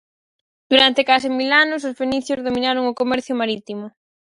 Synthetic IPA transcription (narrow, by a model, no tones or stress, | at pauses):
d̪̥uɾant̪ekasimilanʊs̬ʊsfeniθjʊzðomĩnaɾoŋʊkomɛɾθjʊmaɾit̪imʊ